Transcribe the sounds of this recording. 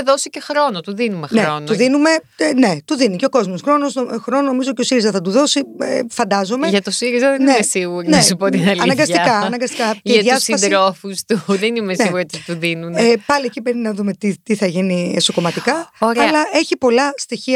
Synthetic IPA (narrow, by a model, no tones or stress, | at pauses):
ðosicexɾo̞not̪uðinumexneontuðinume̞ | ne̞t̪uðiniceo̞ko̞zmosxɾo̞nosxɾo̞nono̞mizoceo̞siɾizɐθɐt̪uðo̞siefɐnd̪ɐzo̞me̞ʝɐt̪osiɾizɐðennneimesiɣuɾinesupot̪inɐlɐnɐŋɡɐsikɐnɐŋɡɐst̪ikɐeɐðjɐsiɐsd̪ɾofust̪uðenimesneiɣuɾiot̪it̪uðinunepɐliecibɾeninɐðume̞t̪it̪iθɐʝinieso̞ko̞mɐt̪ikɐoɾeɐɐlɐʔe̞çipo̞lɐst̪içiɐ